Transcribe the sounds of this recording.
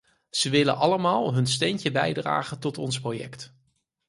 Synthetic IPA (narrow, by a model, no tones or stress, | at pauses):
z̥əʋɪlə̰nʔɑləmaːlˠɦɵnstɛncəbɛjdra̰ːχəntɔtɔnsprojɛ̰kt